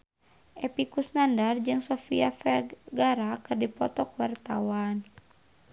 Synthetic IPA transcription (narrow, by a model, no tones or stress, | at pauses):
ʔɛpikusnandard͡ʒɨŋsɔfḭafɛrɡaɾakɨrdipɔt̪ɔkuwart̪awan